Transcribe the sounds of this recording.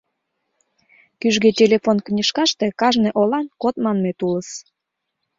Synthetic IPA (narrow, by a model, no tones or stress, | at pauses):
kyʒɣetʲelʲefonknʲiʃkɑʃt̪ekɑʒneʔolɑnkot̪mɑnmet̪uləs